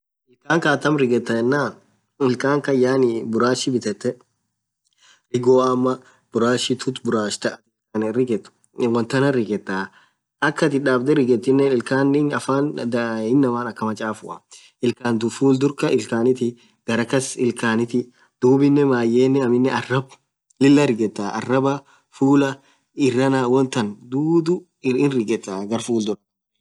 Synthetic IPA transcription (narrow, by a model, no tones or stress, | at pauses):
ʔɪlkaːŋkaːt̪ɐmɾɪɡɛt̪ːɐɛnːaː | ɪlkʼaːŋkɐjaːnɪbʊɾaːʃːɪbɪt̪ɛt̪ːɛ | ɾɪɡoːɐmːɐ | b̥ʊɾaːʃɪt̪ʰʊt̪bʊɾaːʃt̪ɐɐt̪ɪ | ɐnrɪɡɛt̪ː | wɐnt̪ɐnɐrɪɡɛt̪ːaː | ʔɐkːɐt̪ɪᶑaːbd̪ɛɾɪɡɛt̪ːɪnːɛnɪlkaːnɪːnɐfaːnd̪ɪnːɐmaːnɐkːɐmɐt͡ʃʼaːfʊʔɐ | ɪlkaːnd̪ʊfuːld̪ʊɾkɐʔɪlkaːnɪt̪ɪ | ɡ̥ɐɾɐkɐsɪlkaːnɪt̪ɪ | d̪̥uːbɪnːɛmaːjːeːnːɛɐmɪnːɛɐrɐb | lɪlːɐɾɪɡɛt̪ːaːʔɐ̰rːɐbɐ | fuːlɐ | ɪrːɐnawɔnt̪ːɐnd̪uːd̪ʊ | ɪnrɪɡɛt̪ːaːɡɐɾfuːld̪ʊɾɐ